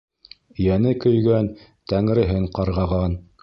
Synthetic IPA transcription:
jænɘkɵ̆jɡæn | t̪æŋɾɘ̆ɦɘɴqɑɾʁɑʁɑn

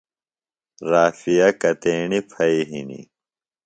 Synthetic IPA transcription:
ɾaːfijɐkɐt̪eːɳipʰɐiɦḭnḭ

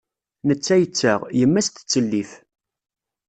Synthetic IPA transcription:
nət͡sːæjət͡sːaʁjəmːæst̪t͡sːəlːiθ

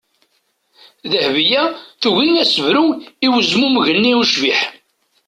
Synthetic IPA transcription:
ðəhvijæθuɣiŋæsəvɾuiwəzmumʝənːiuʃviħ

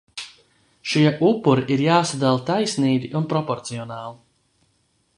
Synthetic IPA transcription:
ʃiɛʔupːuɾiʔiɾjaːsad̪alˠt̪ajsʲniːɡ̪ʲiʔunpɾɔpɔɾt̪siɔnaːlˠi

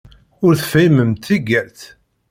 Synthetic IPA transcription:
ʊɾθfæjməmt̪iɡæɾθ

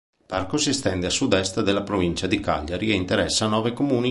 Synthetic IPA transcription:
parkosiest̪ɛnd̪easud̪ɛst̪d̪elːapɾovint͡ʃad̪ika̰ʎːaɾieint̪eɾɛsːaːnɔːvekomuːni

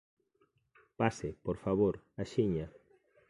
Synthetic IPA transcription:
pasepoɾfaβoɾaʃiɲa

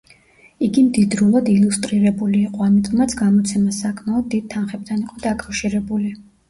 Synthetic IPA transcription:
iɡimd̪id̪ɾulˠad̪ilˠust̪ʼɾiɾɛbuliːqʼɔamit̪ʼɔmat̪sʰɡamɔt̪sʰɛmasakʰmaɔd̪̚ːid̪̚t̪ʰanχɛb̚d̪aniqʼɔd̪akʼafʃiɾɛbuli

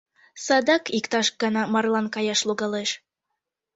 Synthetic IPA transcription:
sɑd̪ɑkikt̪ɑʃɡɑnɑmɑrlˠɑnkɑjɑʃlˠuɣɑleʃ

